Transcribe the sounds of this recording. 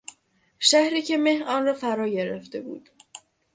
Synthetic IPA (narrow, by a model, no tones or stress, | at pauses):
ʃæhɾiːcʰe̞me̞hɒːnrɒːfæɾɒːɟe̞ɾeft̪e̞bṵːd̪̥